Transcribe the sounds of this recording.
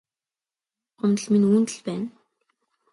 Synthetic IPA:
χʊnt̪ə̆ɮminuːnt̪ɘ̆ɮpæːn

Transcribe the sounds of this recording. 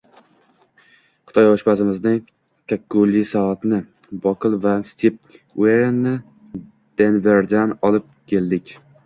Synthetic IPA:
χʊ̥t̪ʰɒjɒʃpasɪmɪznɪŋ | kʲʰakːulːisaat̪nɪ | bɒkʰɨlˠvast̪ʰip̚weɾenːɪ | d̪̥enve̞ɾd̪anɒlɪp̚kʲʰe̞ld̪ɪkʲ

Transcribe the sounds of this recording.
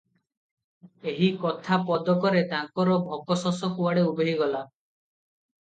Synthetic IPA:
eɦikɔt̪ʰapɔd̪ɔkɔɾed̪aŋkɔɾɔbʱɔkɔsɔsɔkuwaɽeubeɦiɡɔla

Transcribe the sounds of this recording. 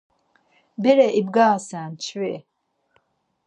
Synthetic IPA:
bɛɾɛʔib̚ɡaːsæːnt͡ʃʰvɛ

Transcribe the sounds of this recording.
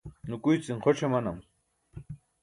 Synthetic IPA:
nʊkʊjt͡sɪŋqʰoʈ͡ʂamanam

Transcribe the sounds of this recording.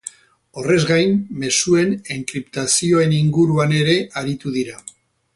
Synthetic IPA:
o̞re̞zɣajmme̞sue̞neŋkɾipt̪asio̞e̞niŋɡuɾuane̞ɾe̞ʔaɾit̪uðiɾa

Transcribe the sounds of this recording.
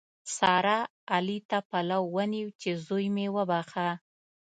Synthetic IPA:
sɑɾaː | lit̪apalawːəniwt͡ʃezojmewəbaxa

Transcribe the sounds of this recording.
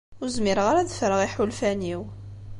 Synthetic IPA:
ʊɾzmɪɾʁaɾæðfɾˤəʁiħulfæniw

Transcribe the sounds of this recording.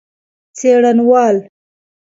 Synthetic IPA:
t͡seɽanwɑːl

